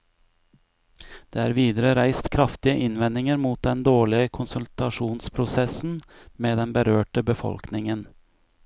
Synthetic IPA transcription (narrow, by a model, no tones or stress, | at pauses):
d̪̥ḛːæːɾʋiːd̪əɾəɾæɪst̪kʰɾɑft̪ɪəʔɪnʋɛnɪŋəɾmuːt̪̚d̪ɛnd̪oːɭɪəkʰʊnsʉlt̪ɑʂuːnspʰɾʊsɛsn̩ | meːd̪ɛnbəɾøːʈəbəfɔ̰lknɪŋən